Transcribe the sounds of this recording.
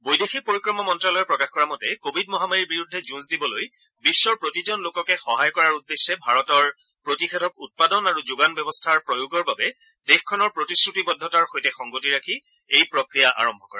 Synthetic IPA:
bojdexik̚poɹikɹɔmɔmɔntɹalɔjɛpɹɔkaxkɔɹamɔtɛkobʱidmɔɦamaɹiɹbiɹudʱːɛzunsdibɔloj | bisːɔɹpɹotizɔnlokɔkɛxɔɦajkɔɹaɹudːesːɛbʱaɹɔtɔɹ | pɹotixɛtʰɔk̚ut̚padɔnaɹuzuɡanbɛbɔstʰaɹpɹojuɡɔɹbabɛdexkʰɔnɔɹpɹotiskɹutibɔdʱːɔtaɹxojtɛxɔŋɡotiɹakʰi | ejpɹokɹijaʔa̰ɹɔmbʱɔkɔɹa

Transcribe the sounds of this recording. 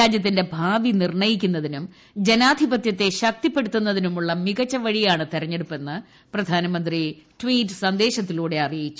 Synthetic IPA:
aːd͡ʑjɐt̪̬ːinde̞bʱaːʋinirɳɐjikʲːunːɐðinum | d͡ʑe̞naːd̪ʱibɐt̪jɐt̪ːe̞ɕɐk̚t̪ipːe̞ɽut̪ːunːɐðinumuɭːɐmiɣɐt͡ɕːɐʋɐɻijaːɳɨt̪irɐɲːe̞ɽupːe̞nːɐ | prɐd̪ʱaːnɐmɐnd̪riʈʋwiːtːɨ̥sɐnd̪e̞ːɕɐt̪ːiluːɽe̞ɐrijit͡ɕːu

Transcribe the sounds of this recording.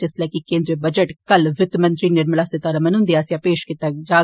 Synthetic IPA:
d͡ʒeslakikẽːnd̪ɾebɐd͡ʒəʈkɐlʋɪt̪mənt̪ɾinɪɾmlaːsɪt̪aːɾɐmɐnʊ̃nd̪iaːsjaːpeːʃkɪt̪ad͡ʒaː

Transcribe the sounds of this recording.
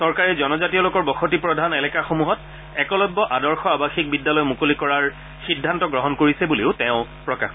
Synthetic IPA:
sɔɹkaɹɛzɔnɔzatijɔlokɔɹbɔxotipɹɔdʱanelɛkaxomuɦɔt | ɛkɔlɔbːɔʔadɔɹxɔabaxik̚bidːalɔjmukolikɔɹaɹ | xidʱːantɔɡɹɔɦɔnkoɹisɛbuleʊtɛʊ̃pɹɔka̰x

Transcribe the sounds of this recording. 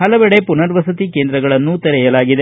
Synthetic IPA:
ɦɐlɐʋɛɽepunɐɾʋɐsɐt̪ikeːnd̪ɾɐɡɐɭɐnːut̪ɐɾɛjɐlaːɡid̪e

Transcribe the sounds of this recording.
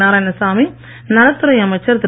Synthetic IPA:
aːɾaːjnɐsaːmi | nɐlɐt̪ːɯɾɐjɐmɐt͡ʃːɐɾd̪ɪ

